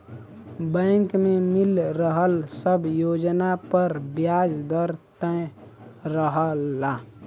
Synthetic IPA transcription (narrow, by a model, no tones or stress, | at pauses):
bɛ̃ːŋkmemɪlɾəɦəlsəbjoːd͡ʒnapəɾbjaːd͡ʒd̪əɾt̪ə̃ | ɾəɦəlːaː